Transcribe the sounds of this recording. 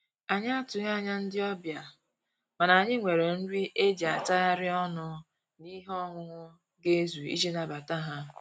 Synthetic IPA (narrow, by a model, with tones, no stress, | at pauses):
a˨ɲa˦a˦tʊ˨ɲ˦a˦˨ɲa˦n̩˦dɪ˦ɔ˦bja˨ | ma˨na˨ɲɪ˦ŋʷe˨ɾe˨n̩˦ɾi˦ʔe˦d͡ʒi˨a˨ta˦a˦ɾɪ˦ɔ˦nʊ˦ | ni˦ɦɔ˦ŋʷʊ˦ŋʷʊ˦ | ɡe˦zu˨ḭ˦d͡ʒi˦na˨ba˨ta˦ɦa˦